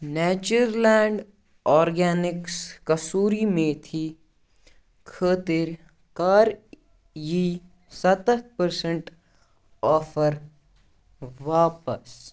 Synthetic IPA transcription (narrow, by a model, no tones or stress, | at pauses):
nɛːt͡ʃuɾlɛːɳɖ | ɔːɾɡɛːnɪkskɐsuːɾimẽt̪ʰi | kʰəːt̪ɪɾ | kaːɾ | ji | sɐt̪ət̪̚pəɾsəɳʈ | ɔːfəɾ | ʋaːpəs